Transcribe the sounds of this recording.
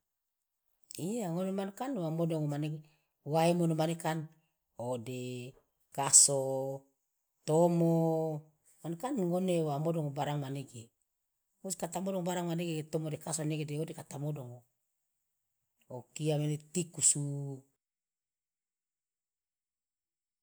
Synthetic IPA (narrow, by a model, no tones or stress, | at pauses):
ijaŋonemankanwamodoŋomaneɡe | waimonemanekan | ode | kaso | t̪omo | manekanŋonewamodoŋobaɾaŋmaneɡe | muskat̪amodɔŋbaɾaŋmaneɡet̪omodekasoneɡedeodekat̪amodoŋo | okiamenet̪ikusu